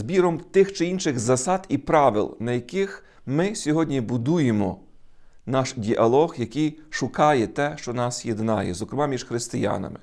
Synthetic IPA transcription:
zbʲiɾɔmt̪ɪxt͡ʃɪinʃɪɣzɐsɑd̪ipɾɑʋɪ̰lˠnɐjɐkɪx | mɪsʲɔɦɔdʲnʲibʊd̪ujemɔ̰ | nɑʃdʲiʔɐlˠɔɣjɐkjʃʊkɑjɛt̪ɛʃt͡ʃɔnɑsjed̪nɑ̰jɛ̰zɔkɾɪmɑmʲiʒxɾɪst̪ɪjɑ̰nɐ̰mɪ

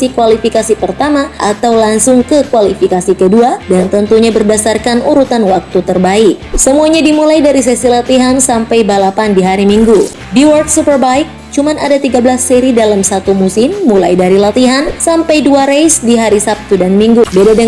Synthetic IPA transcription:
sikwalifikasipərt̪amaʔat̪awlaŋsʊŋkəkwalifikasikəduadant̪ənt̪uɲabərdasarkanuɾut̪anwak̚t̪ut̪ərbaɪk̚səmuaɲadimulajdaɾis̬ɛsilat̪iɦansampajbalapandiɦaɾimiŋɡu | biwɔrt̪supərbaik̚ | t͡ʃumanadat̪iɡablasːɛɾidalamsat̪umusɪmːulajdaɾilat̪iɦansampajduaɾejsdiɦaɾisap̚t̪udanmiŋɡubedadaŋ

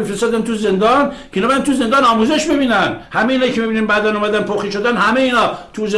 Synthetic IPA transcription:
mifɾest̪ɔːd̪ænt̪ʰuzend̪ɒnkʰeinɒːbjænt̪ʰuze̞nd̪ɒːnɒːmuːzeʃbebiːnænhæmeeiːnɒːjikʰemibininbæːd̪ænɔːmæd̪ænpʰoxiʃod̪ænhæmejeiːnɒːt̪ʰuze

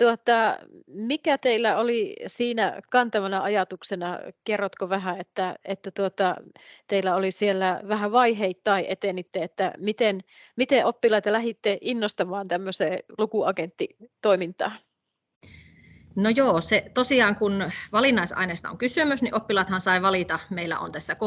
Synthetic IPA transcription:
t̪uot̪ɑmikæt̪eilːæolisiːnæ̰kɑnt̪ɑmɑnɑʔɑjɑt̪uksenɑkerːot̪koʋæɦæet̪ːæet̪ːæt̪uot̪ɑt̪eilːæolisielːæʋæɦæʋɑiɦeit̪ːɑiʔet̪enit̪ːeet̪ːæ̰mit̪enmit̪eʔopːilɑit̪ɑlæɦit̪ːeʔinːost̪ɑmɑːnt̪æmːøseːlukuɑɡent̪ːit̪oimint̪ɑ̰ː | nojoːset̪osiɑːŋkunʋɑlinːˑɑˑisɑ̰ineːst̪ɑo̰ŋkysymysniʔopːilɑˑt̪hɑnsɑˑiʋɑlit̪ɑmeilːæ̰o̰nt̪æsːæk

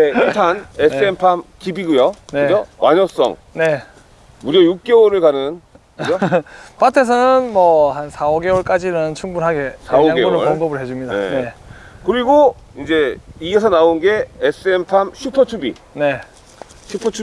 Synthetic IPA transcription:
neitʰanesɯempʰamkibiɡujoneɯd͡ʑowʔaɲʌs͈ʌ̰ŋ | ne̞ | muɾjʌjuk̚k͈ewʌɾɯɭkanɯn | d͡ʑopatʰe̞s̬ʰʌnɯnmʌhansʰaoɡe̞wʌɭk͈ad͡ʑinɯnt͡ɕʰuŋbunɦaɡe̞saoŋɡeɡoɾɯɭʌŋɡʌbɯɭɦe̞d͡ʑumɲida̰ne̞kɯɾiɡoind͡ʑe̞iɡe̞s̬ʰʌnaonɡe̞es͈ɯempʰamɕʰupʰʌt͡ɕʰubḭ | ne̞ | ɕʰupʰʌt͡ɕʰu

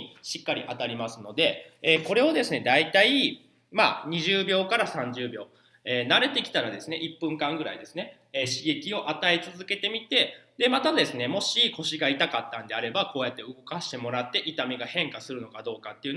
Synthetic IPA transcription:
ɕikːaɾʲḭʔat̪aɾʲimasɨno̞d̪e̞eːko̞ɾe̞o̞d̪e̞sɨne̞d̪ait̪ai | ma̰ːɲ̟iʑɨːbʲjo̞ːkaɾasãɲ̟d͡ʑɨːbʲjo̞ː | eːnaɾe̞t̪e̞kʲi̥t̪aɾad̪e̞sɨne̞ʔipːɯ̟̃ŋkãŋɡɯ̟ɾa̰id̪e̞sɨne̞ː | ɕiɡe̞kʲio̞ʔat̪aet͡sɨzɨke̞t̪e̞mʲit̪e̞d̪e̞mat̪ad̪e̞sɨne̞mo̞ɕiko̞ɕiɡait̪akat̪ːãnd̪e̞aɾe̞bako̞ːjat̪ːe̞ɯ̟ɡo̞kaɕi̥t̪e̞mo̞ɾat̪ːe̞ʔit̪amʲiɡahẽ̞ŋkasɨɾɯ̟no̞kad̪o̞ːkat̪ːe̞iɯ̟n

